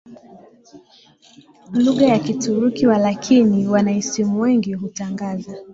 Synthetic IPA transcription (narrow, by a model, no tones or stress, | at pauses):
luɣajakituɾukiwalakʰiniwanaisimuwɛŋɡiɦutaŋɡaza